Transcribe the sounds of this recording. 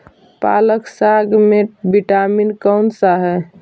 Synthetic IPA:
pa̰ːləksaɡmebiʈaminkəʊnsaɦɛ

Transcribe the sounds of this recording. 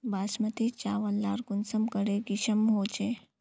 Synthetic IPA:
baːsmət̪it͡ʃaːʋənlaːɾɡʊnsəmkəɽeɡiʃəmɦoːt͡ʃeː

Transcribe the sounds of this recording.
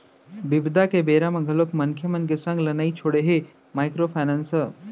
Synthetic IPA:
bɪbd̪ʱakebeːɾamãɡʱəlokmɐnkʰjəmɐnk̬esə̃ŋɡlɐnaːit͡ʃʰoːɽeɦe | maːɪkɾopʰaːnansəɾ

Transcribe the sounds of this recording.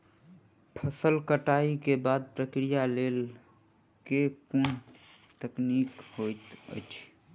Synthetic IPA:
pʰəsəlkəʈaikebaːd̪̚pɾəkɾijaleːl | kekun | t̪əknikhot̪ə̰t͡ʃʰ

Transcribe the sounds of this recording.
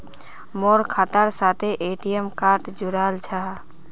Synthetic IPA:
moɾkʰat̪aɾsat̪ʰeʔeʈijemkaɾʈd͡ʒuɾaːlt͡ʃʰaɦ

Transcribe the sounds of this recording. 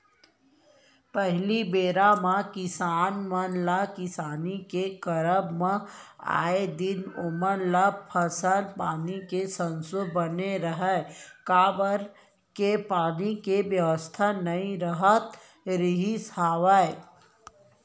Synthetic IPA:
pəɦlibeːɾamãkɪsaːnmənlakɪsaːnikekəɾəbmẽa̰ːed̪ɪnʊməɾlapʰəsəlpaːnikesə̃nsʊbəneɾəɦɛkaːbəɾ | kepaːnikeʋjəʋəst̪ʰanɐɦĩɾəɦət̪ | ɾɪɦisaːʋae

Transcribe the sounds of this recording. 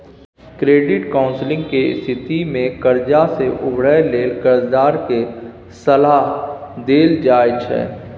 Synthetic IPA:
kɾeːɖɪʈkaːʊ̃nslɪ̃ŋɡkeɪst̪ʰɪt̪imẽkəɾd͡ʒaseʔʊbɽəleːlkəɾd̪aːɾke | səlaːɦd̪eːld͡ʒaːɪd͡ʒɦɛ̰ː

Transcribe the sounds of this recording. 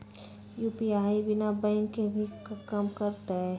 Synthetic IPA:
juːpiaːibɪnabɛ̃ŋkːebʱikɐmkəɾt̪aɦɛ

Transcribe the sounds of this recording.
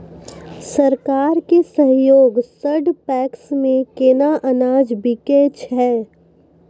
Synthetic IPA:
sɐɾkaːɾkesə̃ɦjoːɡsəɖpɛːksmẽkeːnaʔɐnaːd͡ʒbɪkeːt͡ʃɦɛː

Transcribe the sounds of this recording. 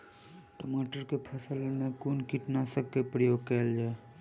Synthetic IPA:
ʈoːmaːʈəɾkepʰəsəlmẽkuːnkiʈnasəkkepɾəjoːɡ̚kɛːld͡ʒaːe

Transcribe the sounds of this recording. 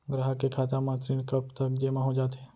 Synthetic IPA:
ɡɾaːɦəkekʰaːt̪ãmãːt̪ɾiːnkəpt̪əkd͡ʒeːmãɦod͡ʒaːt̪ẽː

